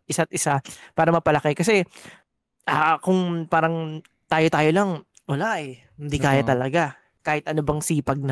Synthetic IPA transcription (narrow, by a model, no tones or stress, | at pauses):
ʔɪsat̪̚ʔɪsapaːɾɐmɐpɐlɐkɛkɐsɛ | ʔaːkʊŋpaːɾɐŋ | t̪aːjo̞t̪aːjolɐŋ | wɐlaʔɛ | hɪnd̪ikaːjat̪ɐlɐɡa | kaːhɪt̪̚ʔɐnobɐŋsiːpɐɡ̚nɐ